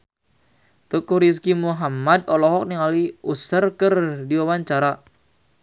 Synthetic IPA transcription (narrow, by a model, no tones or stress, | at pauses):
t̪ukuɾis̬kimuɦamad̪ɔlɔɦɔk̚niŋaliusərkərdiwawaɲt͡ʃaɾa